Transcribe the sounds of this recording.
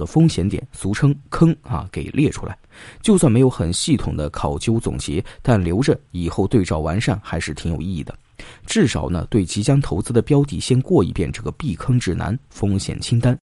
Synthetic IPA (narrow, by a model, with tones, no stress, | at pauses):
ə˧˩fɤ˥ŋɕjɛ˧˥nt̪jɛ̰˨˩nsu˧˥ʈ͡ʂʰɤ˥ŋkʰɤ˥ŋɐ̰˧˩ke˨˩ɪlʔjɛ˥˩ʈ͡ʂʰu˥la̰˧˥ɪt͡ɕjo˥˧ʊswnme˧˥ɪjo˧˥ʊxə˨˩nɕi˥˩t̪ʰʊ˨˩ŋd̪ə˦kʰɑ˨˩ʊt͡ɕjo˥ʊt͡sʊ̰˨˩ŋt͡ɕjɛ̰˧˥t̪a˥˩nljo˧˥ʊʈ͡ʂə˧i˨˩xo˥˧ʊt̪we˥˧ɪt͡sɑ˥˩ʊwa˧˥nʂa˥˩nxa˧˥ɪʂɻ̩˥˩t̪ʰi˧˥ŋjo˨˩ʊi˥˧˩i˥˩d̪ə˩ | ʈ͡ʂɻ̩˥˩ʂɑ˨˩ʊnə̰˧t̪we˥˩ɪt͡ɕi˧˥t͡ɕjɑ˥ŋt̪ʰo˧˥ʊt͡sɹ̩˧˥d̪ə˨pjɑ˥ʊt̪̬ḭ˥˩ɕjɛ˥nkwɔ˥˧ḭ˧˥pjɛ˥˧nʈ͡ʂɤ˥˩ɡə˩pi˥˩kʰɤ˥ŋʈ͡ʂɻ̩˥˩na̰˧˥nfɤ˥ŋɕjɛ̰˨˩nt͡ɕʰi˥ŋt̪a˥n